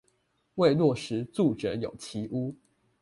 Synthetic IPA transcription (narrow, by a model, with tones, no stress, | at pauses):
we˥˧ɪlwɔ˥˩ʂɻ̩˧˥t͡su˥˩ʈ͡ʂə˨˦jo̰˨˩ʊt͡ɕʰi˧˥ʔu˦